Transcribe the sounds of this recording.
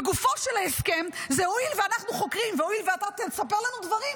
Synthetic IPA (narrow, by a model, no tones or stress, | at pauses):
ɡufo̞ʃelaeskemzeoilveanaχnuχo̞kʁimveoilveat̪atsapeʁlanud̪vaʁim